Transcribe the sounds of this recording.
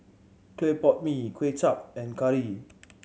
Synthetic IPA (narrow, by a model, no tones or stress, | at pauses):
kʰlepɔt̚mikʰwet͡ʃap̚ɛ̃nkʰaɹi